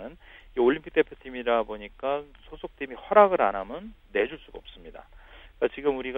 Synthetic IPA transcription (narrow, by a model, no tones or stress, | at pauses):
nɯnioɭʎːimpʰik̚t͈e̞pʰjotʰimiɾaboɲik͈asʰosʰok̚tʰimiɸwaɾaɡɯɾanamjʌnːe̞d͡ʑuɭs͈uɡʌp̚s͈ɯmɲida̰kat͡ɕiɡɯmuɾiɡ